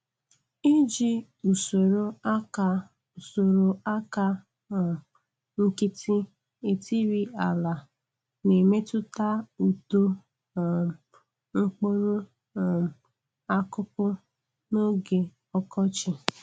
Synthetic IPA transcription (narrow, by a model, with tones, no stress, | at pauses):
i˦d͡ʒi˦ | u˨so˨ɾo˦a˦ka˨ | u˨so˨ɾo˨a˦ka˦˨ | ŋ̩˦ki˦tʰi˦ | e˨ti˦ɾi˦a˨la˨ | ne˨me˦tʊ˦ta˦u˨to˦˨ | ŋ̩˦k͡po˦ɾo˦˨ | a˦kʊ˦pʊ˦ | no˦ɡe˨ | ɔ˦kɔ˦t͡ʃɪ˨